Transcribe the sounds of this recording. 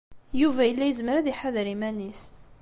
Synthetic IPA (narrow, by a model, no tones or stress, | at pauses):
juvæjəlːæjəzməɾæðiħaðɾimænis